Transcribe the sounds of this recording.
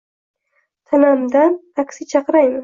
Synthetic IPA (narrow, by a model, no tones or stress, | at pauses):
t̪ʰanamd̪anakʲsɪt͡ʃʰɑqɾajmɪ